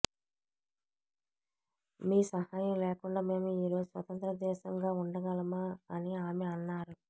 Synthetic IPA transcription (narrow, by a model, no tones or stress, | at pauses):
miːsɐhaːjɐmlɛːkuɳɖaːme̞ːmuiːɾo̞ːd͡ʒusʋɐt̪ɐnt̪ɾɐd̪ɛːʃɐŋɡaːuɳɖɐɡɐlɐmaɐniaːmeɐnːaːɾu